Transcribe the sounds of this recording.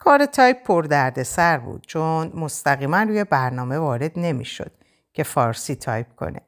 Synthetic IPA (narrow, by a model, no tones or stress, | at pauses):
kʰɒːɾet̪ʰɒːjppʰːoɾd̪æɾd̪e̞sæɾbṵːd̪̥̚t͡ʃʰonmo̞st̪æɣiːmænruːje̞bæɾnɒːme̞vɒːɾe̞d̪ne̞mḭʃo̞̰d̪̥̚ | cʰe̞fɒːɾsiːt̪ʰɒ̰ːjp̚kʰo̞̰nḛ